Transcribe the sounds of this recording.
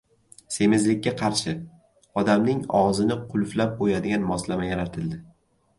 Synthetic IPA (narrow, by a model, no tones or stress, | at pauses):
se̞mɪzlɪkʲːaqʰɑɾʃɪ | ɒd̪amnɪŋɒʁzɪnɪqʰʊlˠflap̚bojad̪ɪɡʲanmɒslamajaɾat̪ʰɪld̪ɪ